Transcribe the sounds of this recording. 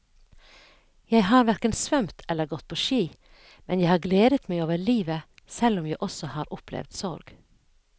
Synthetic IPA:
jæɪɦɑːɾʋæɾkənsʋœmt̪ʰɛlːəɾɡɔt̪̚pʰoːʃiː | mɛnjæɪhɑːɾɡleːd̪ət̪mæɪoːʋəɭiːʋə | sɛlɔmjæɪʔɔsɔhɑːɾʔʊpʰlɛ̰ʋd̪sɔɾɡ̥

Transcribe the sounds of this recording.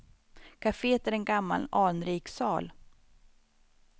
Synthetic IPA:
kʰafeːt̪æɾɛnɡamːa̰lɑːnɾiːksɑ̰ːl

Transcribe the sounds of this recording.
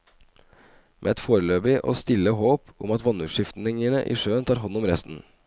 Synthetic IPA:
mʔḛːɛt̪foːɾəløːbɪʔo̰ːst̪ɪlːəɦoːpʊmɑt̪ʋɑnʉːʂɪft̪nɪŋənəʔḭːʂøːənt̪ʰɑːɾɦɔnːɔmɾɛst̪n̩

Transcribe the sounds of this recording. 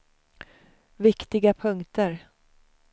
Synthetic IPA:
vɪkt̪ɪɡapʰɵŋkt̪əɾ

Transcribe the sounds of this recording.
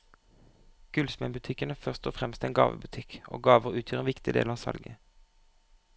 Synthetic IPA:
ɡ̥ʉlsmɛnbʉt̪ʰɪkənəfœʁst̪ɔfʁɛmst̪eːnɡɑ̰ːʋə̰bʉt̪ʰɪkʔo̰ːɡɑːʋəʁʉːt̪ʰjøːʁenʋɪkt̪ɪd̪ḛːlʁɑːʋsɑ̰lɡə

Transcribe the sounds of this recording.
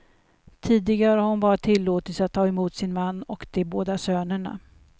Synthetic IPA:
t̪ʰiːd̪ɪɡaɾəhaɾhʊnbɑːɾat̪ʰɪlːoːt̪ət̪sat̪ʰːɑːɛmuːt̪sɪnmanːɔkd̪̥ɛboːd̪asøːnəɳa̰

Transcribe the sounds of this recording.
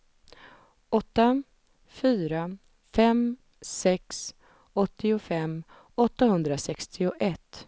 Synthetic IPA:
ɔt̪ːa | fyːɾa | fɛm | sɛks | ɔt̪ːɪʊfɛmː | ɔt̪ːahɵnd̪ɾasɛkst̪ʰɪʊʔɛt̪ː

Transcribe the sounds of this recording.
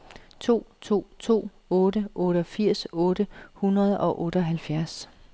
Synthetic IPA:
t͡sʰo̝̰ːt͡sʰo̝̰ːt͡sʰo̝̰ː | ɔ̽ːɾəʔɔ̽ːɾ̥əɒfiɐ̰sɔ̽ːɾ̥əhunɐð̞̩ˠɒ̽ʔɔ̽ːɾ̥ɒɦælfjæɐs

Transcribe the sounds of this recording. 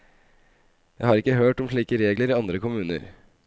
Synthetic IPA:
jæɪhɑːɾɪkːəɦøːʈɔmʂlɭiːkəɾeːɡləɾiːɑnd̪ɾəkʰʊmʉːnə̰ɾ

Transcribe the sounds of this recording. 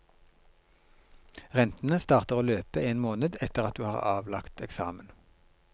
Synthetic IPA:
ʁɛnt̪n̩əst̪ɑːʁt̪əʁoːløːpəeːnmoːnəd̪ɛt̪əʁɑt̪̚d̪ʉːhɑ̰ːʁɑ̰ːʋlɑkt̪ɛksɑ̰ːmən

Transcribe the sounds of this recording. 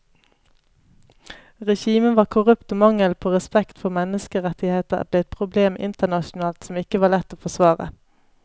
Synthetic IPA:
ʁɛʃiːmənʋɑːʁkʰʊʁʉpt̪oːmɑŋəlpʰoːʁɛspɛkt̪fɔmɛnəskəʁɛt̪ɪheːt̪ə̰bleːɛt̪̚pʰʁʊbleːmʔɪ̰nt̪ənɑʃʊnɑːlt̪sɔmɪkəʋɑːlɛt̪ːoːfɔsʋɑːʁə̰

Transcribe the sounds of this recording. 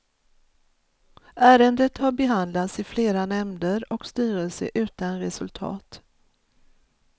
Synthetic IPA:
ʔæːɾənd̪ət̪haɾbɛɦand̪lat̪sɪfleːɾanɛmd̪əɾɔkst̪yːɾəlsə̰ʔʉ̟ːt̪anɾɛsɵlt̪ʰɑ̰ːt̪

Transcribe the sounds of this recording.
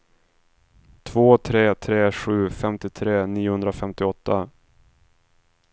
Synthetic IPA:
t̪ʰvoːt̪ʰɾeːt̪ʰɾeːɧʉ̟ːfɛmt̪ɪt̪ʰɾeːniːʊhɵnd̪ɾafɛmt̪ɪɔt̪ʰːa

